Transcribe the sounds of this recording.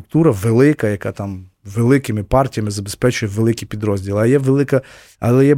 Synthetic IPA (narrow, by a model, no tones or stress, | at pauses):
ʊk̚t̪uɾɐʋelˠɪkɐjɐkɑ̰t̪ɑm | ʋelˠɪkɪmɪpɑrtʲijɐmɪzɐbespɛt͡ʃʊjɛʋelˠɪkʲipʲid̪ɾɔzʲdʲilˠɐjɛʋelˠɪkɐ | ɐlˠɛjɛ